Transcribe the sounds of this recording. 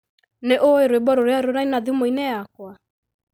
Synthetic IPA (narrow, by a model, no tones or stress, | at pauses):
neʔoeɾwebɔɾoɾeaɾoɾainaðimoinɛjakwa